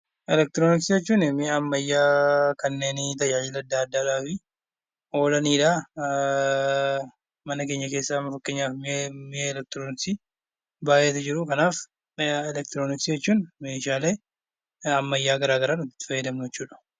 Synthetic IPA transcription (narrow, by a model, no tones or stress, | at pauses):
ʔɛlɛk̚t̪ɪɾoːnɪksid͡ʒɛt͡ʃːuːnɪmɪɐmːɐjːaːkɐnːe̞ːnɪt̪ɐjaːiːlɐd̪ːaːɐd̪ːaːᶑaːfɪ | o̞ːlɐniːᶑaː | mɐnɐke̞ːɲːɐkeːsːaːɐmːɐfɐkːeːɲːaːfmɪmɪeːɛlɛk̚t̪ɪɾoːnɪksi | baːʔeːt̪ɐd͡ʒɪɾʊkɐnaːf | ɛlɛk̚t̪ɪɾoːnɪksid͡ʒɛt͡ʃːuːnme̞ːʃaːle̞ː | ɐmːɐjːaːɡɐɾaːɡɐɾaːnɔt̪ːɪ̥t̪ːɪ̥fɐjːɐd̪ɐmnʊd͡ʒɛt͡ʃːuːᶑɐ̥